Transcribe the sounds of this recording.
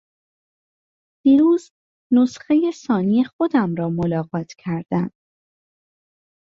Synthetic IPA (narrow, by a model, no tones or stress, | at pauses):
d̪̥iːɾuːz | nosxe̞je̞sɒːnijexod̪æmɾɒːmolɒːɣɒːt̪ʰcʰæɾd̪̥æn